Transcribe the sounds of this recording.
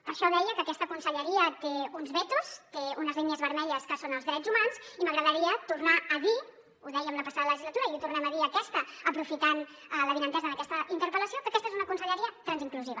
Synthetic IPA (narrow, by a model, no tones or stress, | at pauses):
pəɾʃɔðɛjəkəːkɛst̪əkunsəʎəɾiət̪eunzβɛt̪ust̪eunəzliɲəzβəɾmɛʎəskəsonəlzðɾɛd͡zzumanziməɣɾəðəɾiət̪urnaːði | uðɛjəmləpɐsaðələʒizlət̪uɾəiut̪urnɛməðiəkɛst̪əəpɾufit̪an | ələðinənt̪ɛzəːnəkɛst̪əʔint̪əɾpələsiokəkɛst̪ezunəkunsəʎəɾiət̪ɾənziŋkluziβə